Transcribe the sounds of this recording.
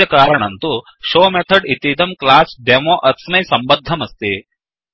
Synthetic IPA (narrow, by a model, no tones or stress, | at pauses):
ɐkaːɾɐɳɐnt̪u | ʃoːmet̪ʰɐɖit̪id̪ɐmklaːsɖemoːʔɐt̪smɐjsɐmbɐd̪ʱːɐmɐst̪i